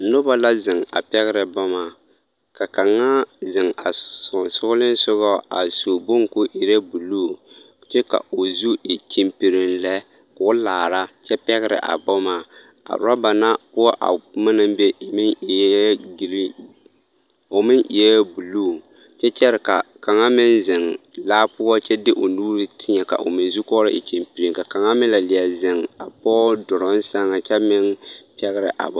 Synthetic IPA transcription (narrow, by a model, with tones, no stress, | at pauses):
nʊ˦ba˦la˦zɪ˨ŋa̰˨pɛ˦ɣɪ˦ɾɨ˨bɔ˦ma˨ | ka˨ka˨ŋːa˦zɪ˨ŋa˨sʊ˦ɡlɪ˦n˦sʊ˦ɣɔ˦a̰˨su˨bo˦ŋkʊ˦ʔi˨ɾɛ˦bu˨luː˦˨ | t͡ʃɛ˦ka̰˨o˨zu˦i˨t͡ʃi˨mpi˨ɾɪ˨nlɛ˦ | kʊ˦laː˨ɾa˦t͡ʃɛ˦pɛ˦ɣɪ˦ɾɪ̰˨ʔa̰˨bɔ˦ma˨ | a̰˨˦a˦ba˨na˦pʊ˦ɔ˦ʔa̰˨ma˦na˦m˦be˦ɪ˨mɪ˦n˨˦ɡl | o˨mɪ˦nʔi˨ɛ˦bu˨luː˦˨ | t͡ʃɛ˦t͡ʃɛ˦ɾɪ˨ka˨ka˨ŋa˦mɪ˦nzɪ˨ŋlaː˦pʊ˦a˦t͡ʃɛ˦dɪ˦ʔo˨nuː˦ɾi˦tʰɪ˦ɲɛ˨ka̰˨ʔo̰˨mɪ˨n˦zu˦kɔː˦ɾɪ˦ʔɪ̰˨t͡ʃi˨mpi˨ɾi˨ŋka˨ka˨ŋa˦mɪ˦la˨lɪ˨a˨zɪ˨ŋa˨pɔː˦dʊ˨ɾɔ˦n˦sa˦ŋa˨t͡ʃɛ˦mɪ˦npɛ˦ɣɪ˦ɾɪ̰˨ʔa̰˨bɔ˦